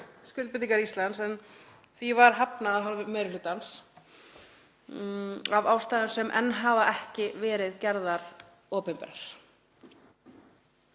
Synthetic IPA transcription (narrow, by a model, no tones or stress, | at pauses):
scʏlt̪pɪt̪iŋkaɾist̪lansɛn | θvivaɾ̥ɦapnaðaɦalvɪmɛːjɾɪlʏːt̪ans | avaːwst̪aːjðʏɾ̥sɛmʔɛ̰nːɦaːvaʔɛhcɪvɛːɾɪðcɛɾðaɾ | ɔːpɛmpɛ̰ɾaɾ̥